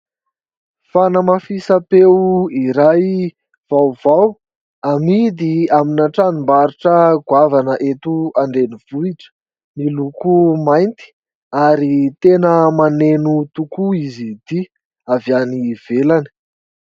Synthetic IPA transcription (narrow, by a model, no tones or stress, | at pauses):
fanəmafisapewiɾaj | v̥awv̥aw | amid̪iaminaʈ͡ʂanimbaɾuʈ͡ʂəɡwavanəʔet̪uaɳɖ͡ʐeniv̥uiʈ͡ʂə̥ | milukumajnt̪i̥ | aɾit̪enəmanenut̪ukuizid̪̥i | avaniv̥elani̥